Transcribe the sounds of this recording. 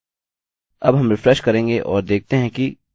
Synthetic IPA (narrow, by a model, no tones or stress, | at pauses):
ɐbɦɐ̃mɾɪfɾɛʃkɐɾẽːŋɡeʔɔːɾd̪eːk̚t̪eɦɛ̃ki